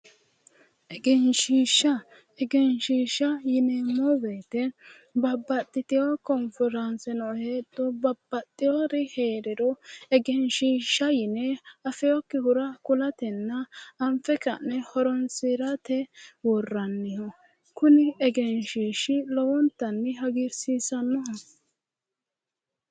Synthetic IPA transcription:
ʔɛɡɛnʃiːʃːɐ | ɛɡɛnʃiːʃɐjɪnɛmɔbɛːt̪ɛ | bɐbːɐt̪ʼːɪt̪ɪjakɔnfɛɾɐnsɛnɔheːt̪ːɔbɐbːɐt̪ʼːɪjɔɾɪheːɾɪdɔɛɡɛnʃiːʃːɐjɪnɛɐfɛjɔkːɪhʊɾɐkʊlɐt̪ɛnːɐɐmfɛkɐnːɛhɔɾɔnsiɾɐt̪ɛwɔrːɐnːɪhɔ | kʊnɪɛɡɛnʃiːʃɪlɔwɔnt̪ːɐnːɪɦɐɡɪɾsiːsɐnːɔɦɔ

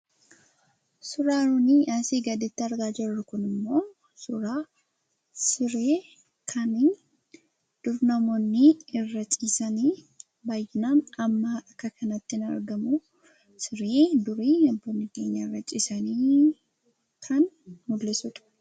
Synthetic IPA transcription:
sʊɾaːɾʊniːɐsiːɡɐd̪ɪt̪ːɪɐɾɡaːd͡ʒɪrːʊkʊnɪmːo̞ː | sʊɾaː | sɪɾeː | kʰɐnin | d̪̥ʊɾnɐmoːnːɪɪrːɐt͡ʃʼiːsɐniː | baːjːɪnaːnɐmːɐɐkːɐkʰɐnɐt̪ːɪnɐ̰ɾɡɐmʊ | sɪɾeːd̪ʊɾiːɐbːoːnːɪke̞ːɲːɐɪrːɐt͡ʃʼiːsɐniː | kʰɐn | mʊlːɛsʊt̪ʼʊ̥

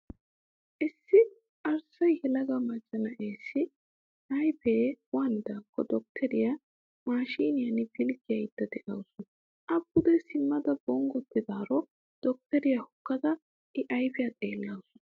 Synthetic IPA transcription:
ʔɪsːɪ | ʔɐɾsɐjhɛlɐɡɐmɐt͡ʃːɐnɐʔeːsːɪ | ʔɐjpeːwaːnɪd̪akʰːɔd̪ɔk̚t̪ʰɛɾɪja | maːʃiːnɪjɐnɪbɪlɡɪjɐjd̪̥ːɐd̪ɛʔɐwsʊnɐ | ʔɐbːʊd̪ɛsɪmːɐd̪ɐbɔŋɡɔt̪ːɪd̪aːɾɔ | d̪̥ɔk̚t̪ɛɾɪjɐhʊkːɐd̪ɐ | ʔɪʔɐjpɪjɐt̪ʼeːlːɐwsʊ̥nɐ

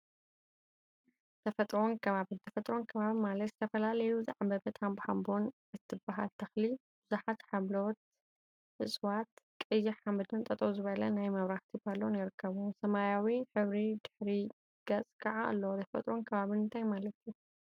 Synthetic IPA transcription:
t̪ʰɐfɐt̪ʼɾo̞nkʰɐβaβɨnt̪ʰɐfɐt̪ʼɾo̞nkʰɐβaβimalɐt̪zɨ̥t̪ʰɐfɐlalɐjuzɨʕabɐbɐt̪ʰambħambon | ɨt̪ʰːɨbaɦa̰lt̪ʰɐxlibɨzuħat̪ħaβlot̪̚ | ʔɨsʼwat̪kʼɨjɪħambɨd̪ɨnt̪ʼɐt̪ʼɐzɨβɐlɐnajmɐβɾaht̪ʰibalːonjɪɾɨkʰːɐβusɐmajawiħɨβɾid̪ɨħɾi | ɡ̥ɐt͡sʼkʰɐʕaʔɨlːɐwt̪ʰɐfɐt̪ʼɾo̞nkʰɐβaβɨnɨnt̪ʰajmalɐt̪ʰju

